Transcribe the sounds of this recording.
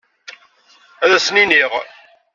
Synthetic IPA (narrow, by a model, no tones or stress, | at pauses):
æðæsniniʁ